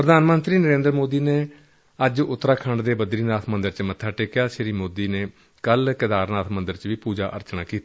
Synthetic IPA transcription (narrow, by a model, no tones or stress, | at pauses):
pɾəd̪aːnmənt̪ɾiːnəɾẽːnd̪ɾmoːd̪iːneː | əd͡ʒʊt̪ːɾaːkʰəɳɖd̪eːbəd̪ɾiːnaːt̪ʰmənd̪əɾt͡ʃmət̪ʰːaːʈeːkjaːʃɾiːmoːd̪iːneː | kəlkɪd̪aːɾnaːt̪ʰmənd̪əɾt͡ʃʋiːpuːd͡ʒa̰ːʔə̰ɾt͡ʃnaːkiːt̪a